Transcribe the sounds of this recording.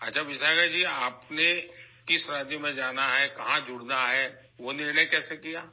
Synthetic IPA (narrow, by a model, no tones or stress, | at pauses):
ɐtːʃʰaʋɪʃaːɡad͡ʒiːaːpne | kɪsɾaːd̪jomẽd͡ʒaːnaɦɛkɐɦãd͡ʒʊɽnaɦɛː | ʋonɪnẽkɛːsekijaː